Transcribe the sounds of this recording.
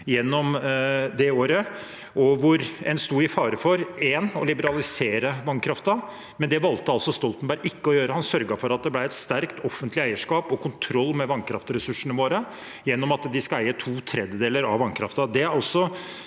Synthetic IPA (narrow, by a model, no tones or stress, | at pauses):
jɛnːɔmd̪ɛoːɾə | ʔɔʋʊɾɛnst̪uːɪfɑːɾəfɔɾɛnɔlɪbəɾɑlɪseːɾəʋɑnkʰɾɑft̪ɑ | mɛnd̪ɛʋɑlt̪əɑlsɔst̪ɔlt̪n̩bæɾʔɪkːəɔjøːɾəhɑnsœɾɡɑfɔɾɑt̪̚d̪ɛblæɪɛt̪st̪æɾkt̪ʰɔfːənt̪lɪæɪəʂkɑːpɔkʰʊnt̪ʰɾɔlːmɛʋɑnkʰɾɑ̰ft̪ɾɛsʉʂəɳəʋoːɾə | jɛnːɔmɑt̪d̪ɪskɑæɪət̪ʰuːt̪ʰɾɛd̪jəd̪eːləɾɑ̰ʋɑnkʰɾɑ̰ft̪ɑd̪ɛɾɑlsɔ